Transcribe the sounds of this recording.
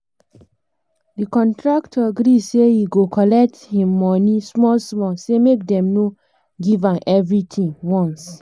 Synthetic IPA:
dikɔ̃ntɹaktʰɔaɡɾisejiɡokʰɔlɛk̚thĩmːɔnismɔlsmɔlsemek̚dɛ̃mno | ɡivãnʔɛvɹitʰĩŋwɔ̃ns

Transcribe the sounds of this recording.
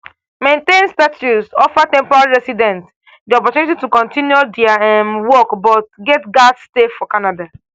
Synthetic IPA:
mẽntẽnstatusɔfatɛ̃mpɔɾalɹɛsidɛ̃nt | diɔpɔtjunititukɔ̃ntĩnjudiaɛmwɔkbɔt̚ɡɛtɡadsteffɔkanada

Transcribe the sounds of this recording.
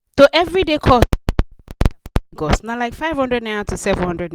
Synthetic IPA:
soʔɛvɹidekʰɔ | ɡɔsnalaɪkfaɪv̥hʌ̃ndɹɛdnaatʰusɛṽnhʌ̃ndɹɛd

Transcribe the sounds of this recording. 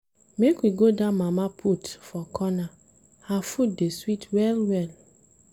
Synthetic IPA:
mekwiɡodamamapʰutfɔkʰɔna | hafut̚deswitwɛlwɛl

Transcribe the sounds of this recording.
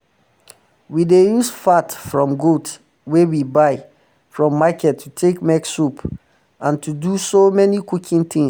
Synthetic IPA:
widejusfatfɹɔ̃mɡot | wewibaɪ | fɹɔ̃mːakɛtʰːutʰekmɛksup | ãntʰudusomɛnikukʰĩŋt̪ĩŋ

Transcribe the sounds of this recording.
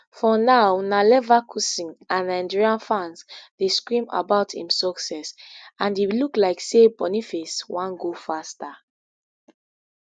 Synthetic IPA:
fɔnaʊnalɛvakʰusĩŋãnãndɹiãnfãnsdeskɹĩma̰baʊtʰḭ̃msɔksɛsãniluklaɪksebɔnifeswãnɡofasta

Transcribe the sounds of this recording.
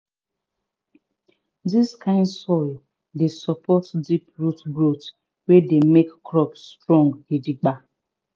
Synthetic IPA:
diskʰãɪ̃ndsɔɪl | desɔpʰɔtdipɹutɡɾot | wedemekkɾɔpsːtɹɔ̃ŋɡidiɡ͡ba

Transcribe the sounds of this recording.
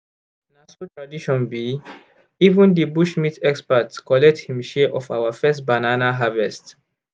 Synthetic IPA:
nasotɹadiʃɔ̃nbi | ivũndibuʃmitɛkspatkɔlɛk̚thĩmʃeʔɔfawafɛstbananaɦavɛst

